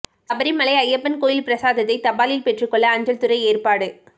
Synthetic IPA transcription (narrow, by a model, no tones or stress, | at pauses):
kɐbɐɾimɐlɐɪɐjːɐpːɐnkoːjɪlpɪɾɐsaːðɐt̪ːɐɪt̪ɐbaːlɪlpɛʈrɯkːɔɭːɐːɲd͡ʒɐlt̪ʊɾɐɪeːrpaːɽɯ